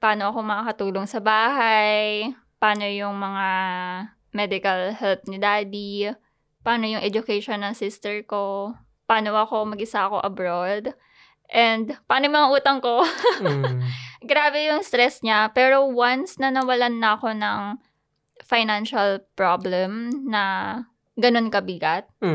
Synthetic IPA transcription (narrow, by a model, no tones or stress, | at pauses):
paːno̞ʔɐko̞mɐakɐt̪uːloŋsɐbaːɦɐj | paːno̞jʊŋmɐŋa | mɛd̪ɪkɐlhɛlp̚nɪd̪aːd̪i | paːno̞jʊŋʔɛd͡ʒʊkɛjʃonːɐŋsɪst̪ɛɹko̞ | paːno̞ʔɐko̞mɐɡʔɪsako̞ʔɐbɾod̪ | ʔɛnd̪paːnojʊmɐŋaʔuːt̪ɐŋko̞ | ɡɾaːbɛjʊŋst̪ɾɛsɲapɛːɾo̞wansnɐnɐwɐlanːɐɐko̞nɐŋ | fajnanʃɐlpɹoblɛmnɐ | ɡɐno̞nkɐbɪɡɐt̪̚